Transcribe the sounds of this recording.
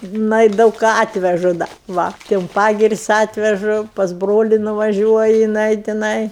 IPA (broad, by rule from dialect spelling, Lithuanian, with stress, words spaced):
ˈnɐɪ dɐʊk ˈkɑː ˈɑːtʲʋʲɛʒʊ ˈdɐ ˈʋɐ tʲɪ ʊn ˈpɑːɡʲɪrʲɪsʲ ˈɑːtʲʋʲɛʒʊ pɐs ˈbroːlʲɪ nʊʋɐˈʒʲuɔjɪ jɪˈnɐɪ tʲɪˈnɐɪ